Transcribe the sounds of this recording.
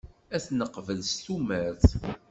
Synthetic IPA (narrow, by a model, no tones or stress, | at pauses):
æθnəqːvəlst̪umæɾθ